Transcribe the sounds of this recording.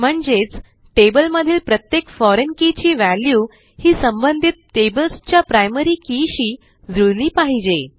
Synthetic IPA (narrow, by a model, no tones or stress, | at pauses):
m̤əɳd͡zet͡s | ʈebəlməd̪ʱiːlpɾət̪jekfɔɾenkit͡ɕiːʋæljuː | hiːsəmbənd̪ʱit̪̚ːebəlst͡ɕjapɾajməɾiːkiɕiː | d͡zuɭliːpaɦid͡ʑe